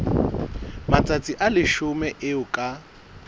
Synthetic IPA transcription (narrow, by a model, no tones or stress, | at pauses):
mat͡sʼat͡sʼiʔalɪʃʊmɛʔɪʊkʼa